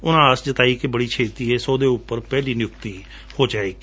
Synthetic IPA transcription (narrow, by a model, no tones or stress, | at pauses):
ʊnãːəsd͡ʒət̪aːiːkebəɽiːt͡ʃʰeːt̪iːɛːsoːd̪eːʊpːəɾpɛːliːnɪjʊkt̪iː | hoːd͡ʒaːeːɡiː